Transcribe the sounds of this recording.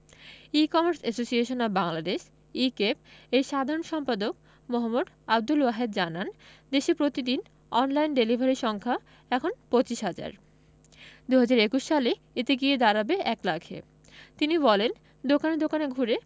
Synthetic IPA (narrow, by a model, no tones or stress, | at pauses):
ikɔmaɾsesosieʃonabaŋlad̪eʃ | ikepejʃad̪ʱaɾonʃɔmpad̪ok̚ | moɦamːod̪ | ab̚d̪uloaɦed̪d͡ʑanand̪eʃepɾot̪id̪in | ɔnlajnɖelibʱaɾiʃɔŋkʰa | ɛkʰonpot͡ɕiʃɦad͡ʑa̰ɾ | d̪uɦad͡ʑaɾekuʃʃale | et̪eɡied̪aɾabeʔɛklakʰḛ | t̪inibɔlen | d̪okaned̪okaneɡʱuɾe